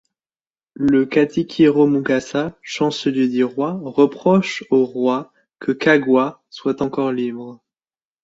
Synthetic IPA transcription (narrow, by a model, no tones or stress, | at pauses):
ləkat̪ʰikʲʰiʁomuɡasaʃɑ̃səljed̪iʁwaʁəpχɔʃoʁwa | kʰəkaɡwa | swat̪ɑ̃kɔʁlibʁ